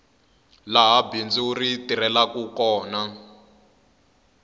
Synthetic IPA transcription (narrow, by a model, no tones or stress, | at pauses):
laɦabind͡ziuritiɾɛlakukɔːna